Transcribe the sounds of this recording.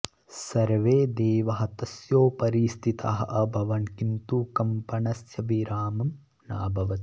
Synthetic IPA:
sɐɾʋeːd̪eːʋɐɦɐt̪ɐsjoːpɐɾist̪ʰit̪aɦɐʔɐbʱɐʋɐnkint̪uːkɐmpɐnɐsjɐʋiɾaːmɐm | naːbʱɐʋɐt̪i̥

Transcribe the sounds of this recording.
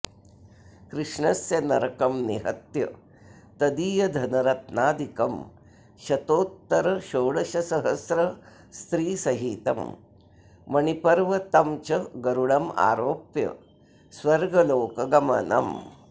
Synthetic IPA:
kɾɨʂɳɐsjɐnɐɾkɐmniɦɐ̰t̪jɐ̰ | t̪ɐd̪iːjɐd̪ʱɐnɐɾɐt̪naːd̪ikɐm | ʃɐt̪oːt̪ːɐɾɐʃoːɽɐʃɐsɐɦɐsɾɐ | st̪ɾiːsɐɦiːt̪ɐ̰mː | ɐɳipɐɾʋɐt̪ɐmt͡ʃɐɡɐɾuɽɐma̰ːɾoːpjɐ̰ | sʋɐɾɡɐloːkɐɡɐmɐ̰nɐ̰m

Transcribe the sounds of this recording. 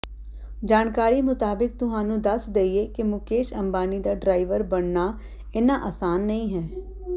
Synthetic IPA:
d͡ʒaːnkaːɾiːmʊt̪aːbɪk̚t̪ʊɦãːnũːd̪əsd̪eːieːkemʊkeːʃəmbaːnid̪aːɖɾaːɪʋəɾbəɽnaː | ɪnaːʔaːsaːnːəĩːɦɛː

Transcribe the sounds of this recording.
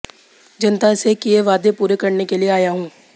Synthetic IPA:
d͡ʒɐnt̪asekijeʋaːd̪epuːɾekɐɾnekelieaːjaɦũː

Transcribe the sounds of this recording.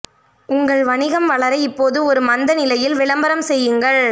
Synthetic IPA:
ʊŋɡɐɭʋɐɳɪɣɐmʋɐɭɐɾɐɪpːoːðɯɔɾɯmɐnd̪ɐnɪlɐjɪlʋɪɭɐmbɐɾɐmsɛjːɯŋɡɐɭ

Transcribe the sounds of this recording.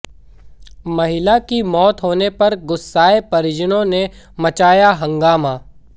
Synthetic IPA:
mɐɦɪlakimɔːt̪ɦoːnepɐɾɡʊsːaːepɐɾɪd͡ʒənõne | mɐt͡ʃaːjaɦɐ̃ŋɡaːmaː

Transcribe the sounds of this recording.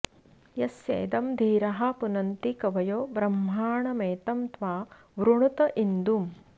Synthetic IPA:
jɐsḛːd̪ɐmd̪ʱiːɾɐɦɐ̆punɐnt̪ikɐʋɐjoːbɾɐmːaːɳɐmeːt̪ɐmt̪ʋaː | ʋɾuɳut̪ɐʔind̪um

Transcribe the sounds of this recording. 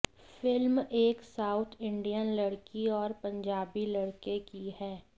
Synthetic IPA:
fɪlmeːksaːʊt̪ʰɪ̃ɳɖijənlɐɽkiɔːɾpɐ̃ɲd͡ʒaːbilɐɽkekiɦɛː

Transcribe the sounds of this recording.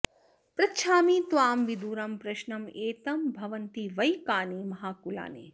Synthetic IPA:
pɾɐtːʃʰaːmiːt̪ʋaːmʋid̪uːɾɐmpɾɐʃnɐmeːt̪ɐmbʱɐʋɐnt̪iʋɐjkaːnimɐɦaːkula̰ːnḛː

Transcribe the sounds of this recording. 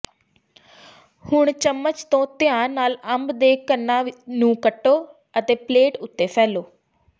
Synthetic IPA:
hʊɳt͡ʃəmːət͡ʃt̪õːt̪ɪjãːnːaːləmbd̪eːkənːaːnũːkəʈːoː | ət̪eːpleːʈʊt̪ːeːpʰɛːloː

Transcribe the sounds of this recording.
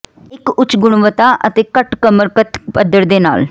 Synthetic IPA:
ɪkʊt͡ʃɡʊɽ̃ʋət̪aːʔə̰t̪eːkəʈkəməɾkət̪pəd̪əɾd̪eːna̰ːl

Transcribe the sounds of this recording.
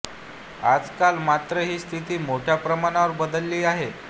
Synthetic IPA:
a̰d͡zkalmat̪ɾəɦiːst̪ʰit̪iːmoʈʰjapɾəmaɽ̃aʋəɾbəd̪əlːiːaɦe

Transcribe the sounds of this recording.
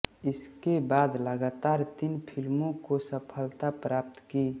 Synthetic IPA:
ɪskebaːd̪ləɡaːt̪aːɾt̪inpʰɪlmõkosəpʰəlt̪apɾaːp̚t̪ki

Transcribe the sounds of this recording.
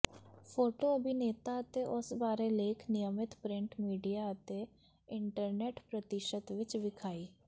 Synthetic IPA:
pʰoːʈoəbineːt̪aət̪eʔʊsbaːɾeleːkʰnɪjəmɪt̪pɾɪ̃ɳʈmiːɖijaət̪e | ɪɳʈəɾneːʈpɾət̪ɪʃət̪ʋɪt͡ʃʋɪkʰaːiː

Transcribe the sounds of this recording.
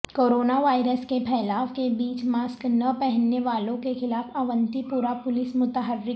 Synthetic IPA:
koːɾoːnaʋaːɪɾəskepʰɛːlaːfkebiːt͡ʃmaːsknɐpɛɦənːeʋaːlõkexɪlaːfʰɐʋə̃nt̪ipuːɾapʊlɪsmʊt̪əɦəɾɪ

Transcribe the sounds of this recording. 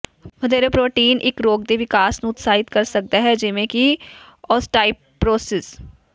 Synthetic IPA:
ʋɐd̪eːɾepɾoːʈiːnʔɪ̰kɾoːɡ̚d̪eʋɪkaːsnuʊt̪saːɦɪt̪kɐɾsɐk̚d̪aɦɛd͡ʒɪmẽki | ɔːsʈaːɪpːɾoːsɪs

